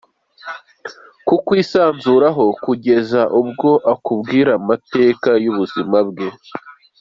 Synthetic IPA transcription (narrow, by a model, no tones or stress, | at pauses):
kukwiːsaːnzuːɾaɦo̞kuɟe̞zaʔubɡo̞ʔakubɡiːɾamate̞ːkajuβuzimabɡe̞